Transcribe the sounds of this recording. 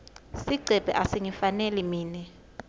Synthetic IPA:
siɡ͡ǀʱɛb̥ʱɛ̰ʔasiŋifanɛlimiːnɛ

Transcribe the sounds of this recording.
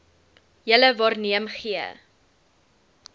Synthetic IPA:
jələvɑːrniəmχiə̰

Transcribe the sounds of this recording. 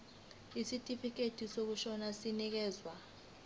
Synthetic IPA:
isitʼifik̬ʼetʰʼisok̬uʃɔnasinik̬ɛːzwa

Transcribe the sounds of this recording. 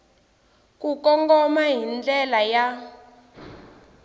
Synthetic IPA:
kukɔŋɡɔmaɦind͡ɮɛlaja

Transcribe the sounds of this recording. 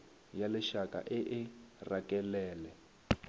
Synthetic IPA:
jalɛʃaka̰ʔɪʔɪrakɛlɛːlɛ

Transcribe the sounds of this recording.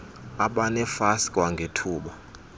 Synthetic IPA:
aɓanɛfaskʼwaŋɡʱetʰuːɓa

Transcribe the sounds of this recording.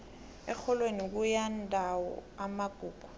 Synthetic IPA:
ɛ̰k͡xʰɔlwenik̬ujandʱʼawɔ̰amaɡ̥ʱuːku̥

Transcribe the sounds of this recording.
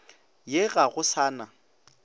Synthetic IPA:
jɪɣaɣʊsaːna

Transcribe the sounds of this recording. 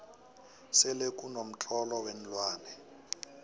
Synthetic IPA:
sɪlekʼunom̩t͡ɬʼɔlɔwɛn̩lwaːnɛ

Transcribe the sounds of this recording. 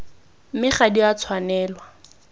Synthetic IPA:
mɪχadiat͡sʰwanɛːlwa

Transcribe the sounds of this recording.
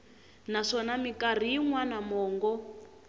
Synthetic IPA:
naʂɔnamikʼar̤ijiŋwanamɔːŋɡɔ

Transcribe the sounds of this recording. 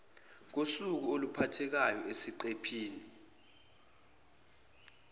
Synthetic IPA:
k̬osuk̬uolupʰatʰɛk̬ajɔesiǃepʰiːni

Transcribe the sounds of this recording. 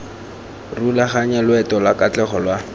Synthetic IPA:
rulaχaɲɛlwɛtɔlakat͡ɬɛχɔlwa

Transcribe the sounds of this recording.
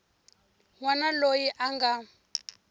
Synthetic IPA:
wanalojiʔaŋɡa

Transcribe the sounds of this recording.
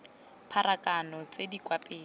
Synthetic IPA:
pʰaɾakanɔt͡sedikwapʼeː

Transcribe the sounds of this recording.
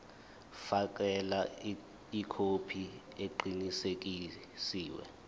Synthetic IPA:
fak̬ʼɛla | ikʰopʰi | eǃinisek̬i | siːwɛ̰

